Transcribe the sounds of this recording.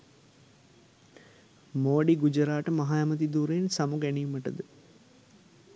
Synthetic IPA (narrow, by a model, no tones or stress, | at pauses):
moːɖiɡud͡ʒəɾaːʈəmɐɦajɐmət̪̬id̪uːɾensamuɡænijuməʈəd̪ə